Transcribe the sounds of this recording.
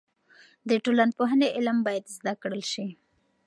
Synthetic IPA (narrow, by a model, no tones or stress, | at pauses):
d̪əʈolanpoɦaneʔɪlmbɑjad̪zd̪akɽəlʃi